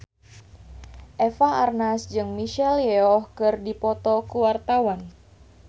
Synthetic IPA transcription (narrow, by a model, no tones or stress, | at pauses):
ʔefaarnasd͡ʒɨŋmiʃɛljɛɔhkɨrdipɔt̪ɔkuwart̪awan